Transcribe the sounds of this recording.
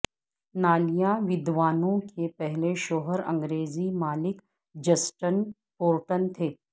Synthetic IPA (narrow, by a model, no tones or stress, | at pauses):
naːlijaʋɪd̪ʋaːnõkepɛɦleʃoːɦəɾɐ̰̃ŋɡɾeːzimaːlɪk | d͡ʒɐsʈən | poːɾʈənt̪ʰeː